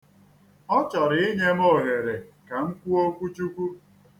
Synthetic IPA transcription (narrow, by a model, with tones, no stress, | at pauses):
ɔ˦t͡ʃɔ˨ɾɪ˨˦ɲe˦mɔ˦˨ɣe˨ɾe˨ka˨ŋ̩˦kʷu˦o˦kʷu˦t͡ʃu˦kʷu˦